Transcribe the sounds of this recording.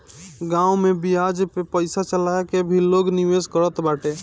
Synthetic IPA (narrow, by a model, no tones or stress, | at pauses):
ɡãumebijad͡ʒpepəɪsat͡ʃəlaekebʱilːoɡniʋeskəɾət̪baʈe